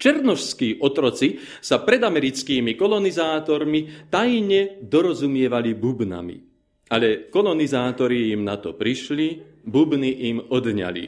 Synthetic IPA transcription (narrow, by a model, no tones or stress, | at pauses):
t͡ʃɛɾnɔʃskiːʔɔt̪ɾɔt͡si | sapɾɛd̪amɛɾit͡skiːmikɔlɔnizaːt̪ɔɾmit̪ajɲɛd̪ɔɾɔzumɪɛʋalibubna̰mḭ | alɛkɔlɔnizaːt̪ɔɾiimnat̪ɔpɾiʃli | bubniʔimɔd̪ɲa̰lḭ